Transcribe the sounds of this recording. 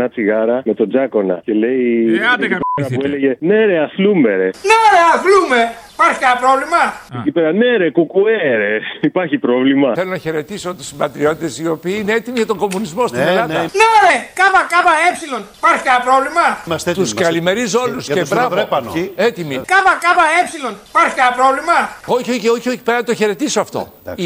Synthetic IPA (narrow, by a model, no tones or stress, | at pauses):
ɐt͡siɣɐɾɐme̞t̪o̞d͡zɐko̞nɐ̰ce̞le̞iɐd̪ekɐɾɐueleʝe̞neɾeɐθlumeɾeneɾeɐθlume̞ | ipɐɾçikenɐpɾo̞vlimɐicipeɾɐneɾekukueɾeipɐɾçipɾo̞vlimɐθe̞lonɐçe̞ɾe̞t̪isot̪u̥simbɐt̪ɾio̞t̪it̪e̞sio̞piːine̞et̪imiʝɐt̪o̞ŋɡo̞munizmo̞st̪ielɐɐneɾekɐpɐkɐpɐe̞psilo̞nipɐɾçi̥t̪ɐɐpɾo̞vlimɐɐst̪usskɐlime̞ɾiso̞lusepɾɐɾepɐnoet̪imikɐpɐkɐpɐe̞psilo̞nipɐɾçi̥t̪ɐɐpɾo̞vlimɐoçooçioci̥peɾɐɐt̪oçe̞ɾe̞t̪isoɐft̪o̰